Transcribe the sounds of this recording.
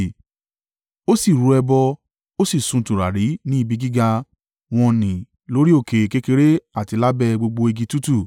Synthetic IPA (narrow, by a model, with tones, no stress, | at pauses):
o˦si˦˨ɾu˨˧˦ɛ˧bɔ˧ | o˦si˦˨sũ˧˨tũ˨ɾa˨ɾi˨˦nĩ˦i˦˧bi˦˧ɡi˦ɡa˧ | w̃ɔ̃˧nĩ˨ | lo˦ɾi˦o˦˨ke˨ke˦ke˧ɾe˦a˦˨ti˧la˦bɛ˦˨ɡ͡bo˧ɡ͡bo˧e˧ɡi˧tu˦tu˦˨